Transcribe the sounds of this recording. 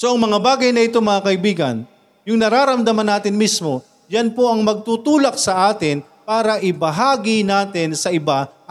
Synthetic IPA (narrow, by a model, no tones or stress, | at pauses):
so̞ʔɐŋmɐŋabaːɡɐjnɐʔɪt̪o̞mɐŋakɐʔɪbiːɡɐ̰n | jʊŋnɐɾaːɾɐmd̪ɐmɐnaːt̪ɪnmismo̞ | janpo̞ʔɐŋmɐɡ̚t̪ut̪uːlɐk̚sɐʔaːt̪ɪn | paːɾɐʔɪbɐɦaːɡɪnaːt̪ɪnsɐʔɪba